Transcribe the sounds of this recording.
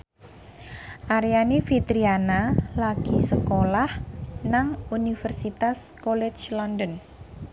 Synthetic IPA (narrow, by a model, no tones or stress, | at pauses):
ʔaɾijanifit̪ɾianalaɡ̥isəkolahnaŋunifɛrsit̪askɔlɛt͡ʃlɔndɔn